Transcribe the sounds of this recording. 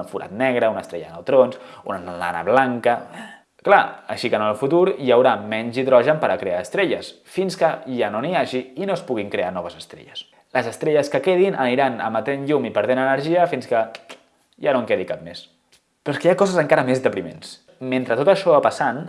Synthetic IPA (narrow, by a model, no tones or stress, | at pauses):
əfuɾa̰t̪nɛɣ̞ɾəunəst̪ɾɛʎə̰nə̰wˠt̪ɾonsunənla̰nə̰βlaŋkə | klaəʃikənəlˠfut̪uɾijəwɾamɛɲziðɾɔʒəmpəɾəkɾeaːst̪ɾɛʎəs | finskəʒanoniaʒiinoəspuɣ̞iŋkɾeanɔβəzəst̪ɾɛ̰ʎəs | ləzəst̪ɾɛʎəskəkeðinʔə̰niɾanə̰mət̪enʎumipəɾð̞enənəɾʒiəfinskə | ʒanoŋkeðikap̚mes | pɾoeskəjakɔzəzəŋkaɾəmezðəpɾimḛns | ment̪ɾət̪ot̪əʃɔapəsan